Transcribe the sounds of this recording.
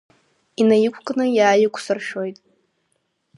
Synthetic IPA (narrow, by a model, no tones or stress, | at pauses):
inajɪkʷʰkʼnɨjaːjɪkʷʰsɨrʃᶣojtʼ